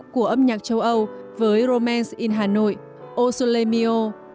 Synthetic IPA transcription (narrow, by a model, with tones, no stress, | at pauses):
ku˧˩əʔə˧mɲaː˨˩t͡ɕə˧wʔə˧wvəː˨˦jɾo˧mɛː˧nsʔi˧nɦaː˨˩no̰˧˨j | ʔo˧so˧le˧mi˧o˧